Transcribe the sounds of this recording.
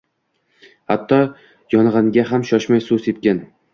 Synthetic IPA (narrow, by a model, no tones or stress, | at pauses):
ha̰t̪ʰːɒ | jɒnʁɑŋɡʲaɦamʃɒʃmajsʊset̪̚kʲan